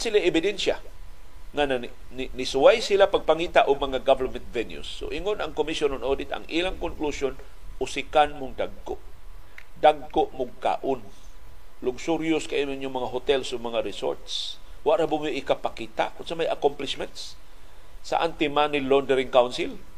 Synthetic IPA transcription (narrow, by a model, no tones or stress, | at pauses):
ansilaʔɪbɪd̪ɛnsja̰ | ŋana | nnɪsʊwajsilapaɡ̚paŋiːt̪aʔʊɡmɐŋaɡavɛɾmɛnt̪̚vɛnjṵsːo̰ʔiŋʊnaŋkomisjononʔodɪt̪a̰ŋʔilaŋkʊŋklusjon | ʔʊsɪkanmʊŋd̪aɡ̚kʊʔ | daɡ̚koʔmʊɡ̚ka̰ʔʊn | lʊɡsʊɾjʊskaimʊɲʊŋmɐŋaɦʊt̪ɛlsʊmaŋaɾɪso̰ɾt̪s | waʔɾabʊmjoʔɪkapakiːt̪a̰ʔkʊnsamajakomplɪsmɛnt̪s | sa̰ʔant̪ɪmanɪlond̪əɾiŋkawnsɪl